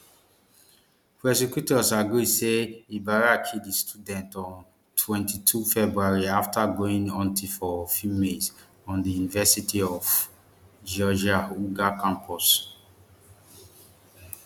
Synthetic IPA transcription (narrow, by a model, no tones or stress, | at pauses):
pɛsikjutɔsaɡɹiseibaɹakʰidistʰudɛ̃ntɔ̃n | tʰwɛ̃ntitʰufɛbɹuaɹiaftaɡoĩŋɔ̃ntifɔfumez | ɔ̃ndijunivɛsitiɔf | d͡ʒɔd͡ʒauɡakãmpʰɔs